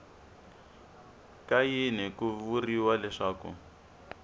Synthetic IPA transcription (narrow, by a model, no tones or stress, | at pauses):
kajinɛkuvuriwalɛʂaːkṵ